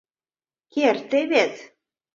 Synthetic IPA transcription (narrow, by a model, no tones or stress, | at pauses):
kert̪eβet̪